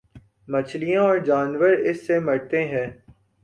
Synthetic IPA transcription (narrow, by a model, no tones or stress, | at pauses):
mɐt͡ʃʰlijãɔːɾd͡ʒaːnʋəɾɪsːemɐɽt̪eɦɛ̃ː